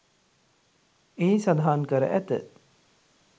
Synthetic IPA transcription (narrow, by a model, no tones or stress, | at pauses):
eisad̪aɦaːŋkəɾə̰ʔæt̪ə̰